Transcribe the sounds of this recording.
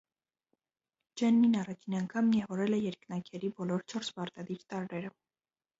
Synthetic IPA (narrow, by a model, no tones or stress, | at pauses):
d͡ʒɛnminɑrɑt͡ʃʰinɑŋkʰɑmnijɑvɔɾɛlɛjɛɾknɑkʰɛɾibɔlɔɾt͡ʃʰɔɾsbɑɾt̪ɑd̪iɾt̪ɑɾɾɛɾə